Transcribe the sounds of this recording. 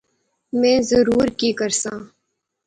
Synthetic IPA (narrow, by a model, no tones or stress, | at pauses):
mɛ̃ːzəɾuːɾkikəɾsãː